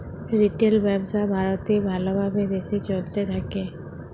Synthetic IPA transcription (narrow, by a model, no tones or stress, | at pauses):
ɾiʈelbɛbsabʱaɾot̪ibʱalobabed̪eset͡ɕolt̪et̪ʰake